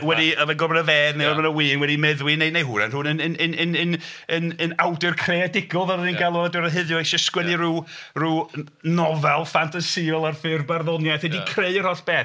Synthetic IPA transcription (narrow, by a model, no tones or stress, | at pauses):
wɛdiəvɛɡɔrmənəveːðnejɔrmanəwiːnwɛdimɛðwinejnejɦuːna̰nrʊːnənənənənənənənawdɛrkʰreadɪɡɔðaɾəðinɡalˠɔdɔɾəɦɪðjɔʃɪskwɛdiruːruː | nɔvɛlˠfantʰasiɔlˠarfɨrbarðɔnjajθɛdikʰreɨər̥hɔθb̥ɛː